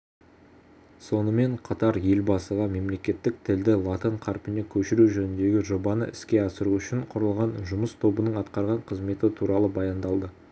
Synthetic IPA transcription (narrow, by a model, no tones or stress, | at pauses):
so̞nəme̞ɴqʰɑt̪ɑɾje̞lbɑsəʁɑme̞mle̞kʲe̞t̪ːɪk̚t̪ʰɪld̪ɪlˠɑt̪əɴqʰɑɾpʲɪne̞kʲʰɵʃɪɾuʒɵnɪnd̪e̞ɡʲɪʒo̞bɑnəʔɪ̰skʲe̞ɑsəɾuʏʃɪɴqʰʊɾəlˠʁɑnʒʊməst̪ʰo̞bənəɴɑt̪qɑɾʁɑɴqʰəzme̞t̪ɪt̪ʰuɾɑlˠəbɑjɑnd̪ɑlˠd̪ə